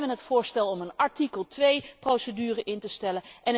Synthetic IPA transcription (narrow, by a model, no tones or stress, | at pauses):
ʋənɦətfʊːɹstɛlˠɔmənɑɹtikəlˠtʋejprowsədyːrəʔɪntəstɛləɛn